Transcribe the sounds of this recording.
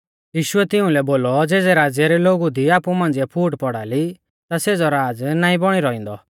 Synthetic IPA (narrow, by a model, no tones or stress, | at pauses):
jiːʃʊɛt̪ɪũlɛboːlɔd͡zeːd͡zɛɾaːd͡zjaɾɛloːɡud̪iaːpumãːnd͡ziɛpʰuːʈpɔɽaːli | t̪aseːd͡zɔɾaːd͡znaːĩbɔɽ̃iɾɔĩːnd̪ɔ